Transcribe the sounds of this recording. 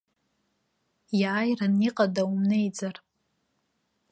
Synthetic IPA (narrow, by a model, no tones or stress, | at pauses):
jaːjraniqʼadaumnejd͡zar